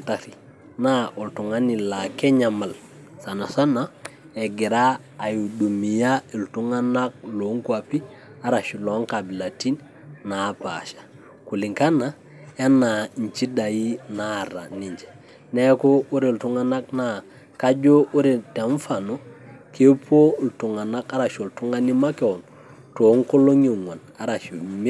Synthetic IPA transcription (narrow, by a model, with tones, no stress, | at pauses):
taɾi˨ | na˦ʔu˨ltu˨ŋa˦ni˨la˨ke˦ɲa˨ma˨l | sa˨na˨sa˦na˦ | e˨ɡi˨ɾaː˦˨ | ju˨du˨mi˨ja˦e˨ltu˦ŋa˦na˦k̚lo˨˦ŋkwa˨pi˦ | a˦ɾa˨ʃi˨lo˨˦ŋka˨bi˨la˨ti˦n | na˨pa̰˨ʃḁ˨ | ku˨li˨ŋka˦na˦ | a˦na˨ɲ˨t͡ʃi˦da˨ji˦na˦˨ɾa̰˨ni˨ɲd͡ʒɛ̥˨ | nɛ˦ko˦u˦ɾe˨ltu˦ŋa˦na˦k̚na˨ | ka˦d͡ʒo˦u˦ɾe˨te˨ɱ˦fa˨no˦kʰe˦po˦˨ltu˨ŋa˨na˦ka˦ɾa˨ʃo˨ltu˦ŋa˦ni˦ma˦ke˨wo˨n | to˨˦ŋko˦lo˦ɲe˨ŋo˨n | a˦ɾa˨ʃu˨me˦